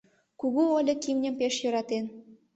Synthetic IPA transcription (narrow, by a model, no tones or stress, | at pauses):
kuɣuolʲɤ̆kimnʲə̆mpeʃjɤ̆ɾɑt̪en